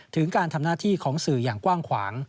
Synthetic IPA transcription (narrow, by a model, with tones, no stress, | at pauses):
t̪ʰɯ˩˦ŋkaː˧nt̪ʰa˧mnaː˥˩t̪ʰiː˥˩kʰɔː˩˦ŋsɯː˨˩jaː˨˩ŋkwaː˥˩ŋkʰwaː˩˦ŋ